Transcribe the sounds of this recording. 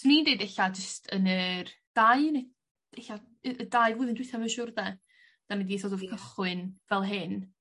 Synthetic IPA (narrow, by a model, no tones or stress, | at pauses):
snindeɨdɛɬad͡ʒəstʰənərd̥ajne̥ | ɛɬa | ədaɨvʊːðɪndwɪθaməʃʊrdɛ | d̥anɛdiθɔdɔvkʰəχwɨnvɛlˠɦɪn